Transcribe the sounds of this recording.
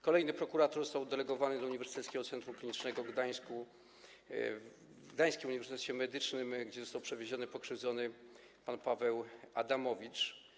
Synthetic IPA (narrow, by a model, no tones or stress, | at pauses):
kɔlɛjnɘpɾɔkuɾat̪ɔɾzɔst̪awd̪ɛlɛɡɔvanɘd̪ɔuɲivɛɾsɨ̥t̪ɛt̪skʲɛɡɔt̪sɛnt̪ɾumklʲiɲit͡ʂnɛɡɔɡd̪aj̃sku | ɡd̪aj̃skʲɛuɲivʲɛɾst̪ɛt̪ʃɛmɛd̪ɘt͡ʂnɘmɡd͡ʑɛzɔst̪awpʂɛvʲjeʑɔnɘpɔkʂɘvd̪zɔnɘ | panpavɛwad̪amɔvʲit͡ʂ